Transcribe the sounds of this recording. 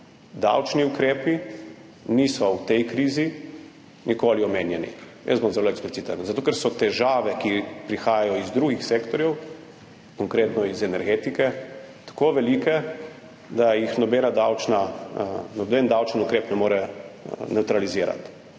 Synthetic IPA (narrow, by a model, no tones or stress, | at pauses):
d̪a̰wt͡ʃniukɾeːpi | nisɔwt̪ɛjkɾiːzi | nikoːliɔmeːnjɛnḭ | jɛ̰sbɔmzɛloɛksplit̪t͡s̪it̪ənzat̪oːkɛɾsɔt̪ɛʒaːʋɛkipɾixaːjajɔizd̪ɾuːɡixseːkt̪ɔɾjɛw | kɔŋkɾeːt̪nɔizɛnɛɾɡeːt̪ikɛ | t̪ḁkoʋɛliːkɛ | d̪ajixnɔbeːnad̪awt͡ʃna | nɔbend̪awt͡ʃənukɾeːpnɛmoːɾɛnɛwt̪ɾaliziːɾa̰t̪